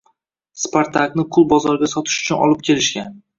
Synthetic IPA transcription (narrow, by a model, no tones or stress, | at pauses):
spoɾt̪ʰaknɪqʰʊlˠbɒzɒɾɡʲasɒt̪ʰɪ̥ʃʊ̥t͡ʃʰʊnɒ̰lɪp̚kʲʰe̞lɪʃkʲan